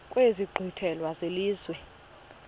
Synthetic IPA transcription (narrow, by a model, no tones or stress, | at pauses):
kʼweziɡ͡ǃʱitʰɛlwazeliːzwɛ